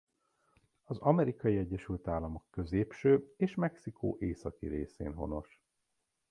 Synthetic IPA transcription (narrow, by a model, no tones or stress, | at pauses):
ɒzɒmɛɾikɒjiɛɟːɛʃylt̪aːlːɒmo̞kːø̞zeːpʃøːeːʃmɛksikʰo̰ːʔeːsɒkḭɾeːsḛːnɦo̞̰no̞̰ʃ